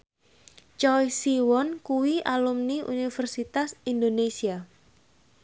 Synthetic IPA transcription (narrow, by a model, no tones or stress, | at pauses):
t͡ʃɔjsiwɔnkuwiʔalumniʔṵnifərsit̪asind̪onesia